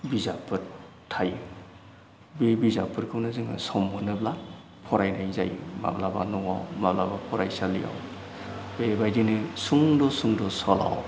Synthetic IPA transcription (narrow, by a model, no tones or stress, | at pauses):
bizapʰːɯɾ | tʰːaj | bebizapʰɯɾkʰɯwnazɯŋa̰sɔmbɯnɯbla | pʰɔɾajnajza̰jma̰blaba̰nɔŋa̰wmablabapʰɔɾajsalija̰w | bebajdinɯsuŋdɔsuŋdɔsɔla̰w